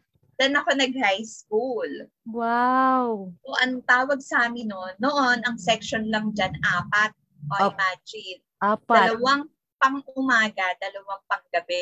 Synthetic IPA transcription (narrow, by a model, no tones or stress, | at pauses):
d͡ʒɐnɐko̞nɐɡ̚hajskul | wawʔoʔɐnt̪aːwɐɡ̚saːmɪnonːoʔonɐŋsɛkʃonlɐŋd͡ʒanʔaːpɐt̪̚ | ʔoɪmad͡ʒɪn | aːpd̪ɐlɐwaŋ | pɐŋʔʊmaːɡɐd̪ɐlɐwaŋpɐŋɡɐbɛ